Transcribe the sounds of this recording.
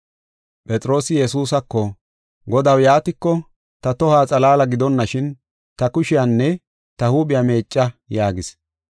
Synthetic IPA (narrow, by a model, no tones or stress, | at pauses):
pʼɛt͡sʼɾo̞ːsɪjɛs̬uːsɐkːɔ | ɡɔd̪ɐwjaːt̪ɪkːɔ | t̪ɐt̪ɔhaːt͡sʼɐlaːlɐɡɪd̪ɔnːɐʃɪn | t̪ɐkʊʃɪjanːɛ | t̪ɐhuːɓʼɪjame̞ːt͡ʃʼːɐjaːɡɪs